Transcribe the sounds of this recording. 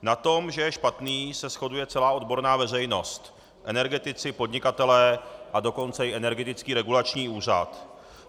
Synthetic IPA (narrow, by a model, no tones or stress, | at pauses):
nat̪o̞mʒɛjɛʃpat̪niːsɛsxo̞dujɛt͡sɛlaːo̞dbo̞ɾnaːvɛr̝ɛjno̞st̪ | ʔɛnɛɾɡɛt̪ɪt͡sɪpo̞dɲɪkat̪ɛlɛːʔado̞ko̞nt͡sɛjɪʔɛnɛɾɡɛt̪ɪt͡skiːɾɛɡulat͡ʃɲiːuːr̝a̰t̪